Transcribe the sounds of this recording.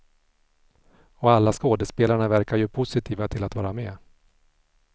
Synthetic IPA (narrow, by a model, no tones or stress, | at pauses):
ɔalːaskoːd̪ɛspeːlaɳavæɾkaɾjɵpʰʊsɪt̪ʰiːvat̪ʰɪlat̪vɑːɾamɛː